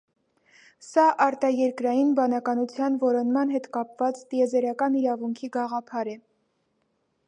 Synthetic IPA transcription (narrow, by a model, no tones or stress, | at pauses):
sɑʔɑɾt̪ɑjɛɾkɾɑjinbɑnɑkɑnut͡sʰjɑnvɔɾɔnmɑnɦɛt̪kɑpvɑt͡st̪iɛzɛɾɑkɑniɾɑvuŋkʰiɡɑʁɑpʰɑɾɛ